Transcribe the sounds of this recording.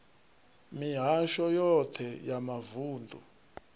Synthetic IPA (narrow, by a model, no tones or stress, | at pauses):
miɦaʃɔjɔtʰɛjamavuːndʱṵ